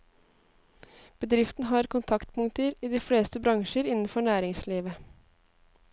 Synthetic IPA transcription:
b̥əd̪ɾɪft̪n̩ɦɑːɾkʰʊnt̪ʰɑkt̪pʰʊŋt̪əɾiːd̪iːfleːst̪əbɾɑŋʃəɾɪnn̩fɔɳæːɾɪŋsliːʋə

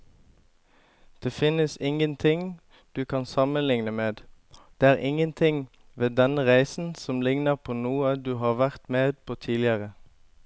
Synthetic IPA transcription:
d̪̥eːfɪnəsɪŋənt̪ʰɪŋ | d̪̥ʉːkʰɑnsɑmənlɪŋnəmeːd̪d̪̥eːæːʁʔɪŋənt̪ʰɪŋ | ʋeːd̪ɛnəʁæɪsn̩sɔmlɪŋnəʁpʰoːnuːəd̪ʉːɦɑːʁʋæʁt̪meːd̪̚pʰoːt̪ʰiːlɪəʁə

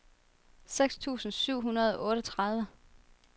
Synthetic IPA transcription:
seɡ̥st͡sʰṵːsn̩syʊ̰ɦunɐð̞ˠɒ̽ʔɔ̽ːɾət͡sʰʁɑ̈ð̞ˠʋə

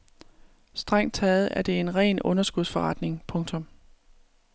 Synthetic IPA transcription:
sd̥ʁɑ̈ŋ̰d̥̚t͡sʰɛːð̩ˠæɐd̥e̝e̝nʁɛ̰ːnɔ̽nɐsɡ̥uð̞ˠsfɒ̽ʁɑ̈d̥ne̝ŋpʰɔ̽ŋt͡sʰɔ̽m

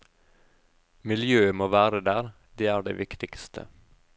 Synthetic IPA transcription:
mɪljøːəmoːʋæːɾəd̪æːɾ | d̪eːæːɖḛːʋʔɪkt̪ɪkst̪ʰə̰

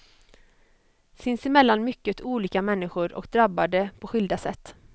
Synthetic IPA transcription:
sɪnsɪmɛlːanmʏkːət̪ʰuːliːkamɛnːɪɧʊɾɔ̰kd̪ɾabːad̪əpʰɔɧʏld̪asɛt̪ː

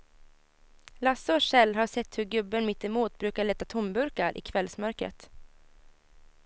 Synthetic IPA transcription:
lasɔʂɛlːɦaʂɛt̪ːhɵɾɡɵbːənmɪt̪ːɛmuːt̪bɾʉ̟ːkaɭɛt̪ːat̪ʰʊmbɵɾkaɾʔɪ̰ːkʰvɛlsmœɾkɾə̰t̪

